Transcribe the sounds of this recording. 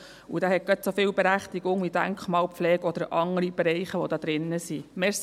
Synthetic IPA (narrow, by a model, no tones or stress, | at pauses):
ud̥æːɦɛt̚ɡ̥ɑt̪sofɪːlbɛɾæχt̪iɡ̥ʊŋid̥æŋkχmɑːlpflɛːɡɔd̪əɾʔɑŋːəɾib̥ɛɾɛjχəʋod̪ɑːd̥̪ɾɪnːəsimeːɾs